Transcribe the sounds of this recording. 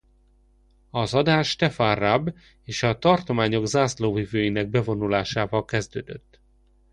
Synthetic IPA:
ɒzɒd̪aːʃːt̪ɛfanrab | eːʃɒt̪ɒrt̪o̞maːɲo̞ɡzaːsloːvivøːjinɛɡ̚bɛvo̞nulaːʃaːvɒlkɛzd̪ø̰ːd̪øt̪ː

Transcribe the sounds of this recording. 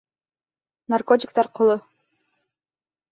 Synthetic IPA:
narkotʲɪkt̪ɑɾqʰolˠʊ

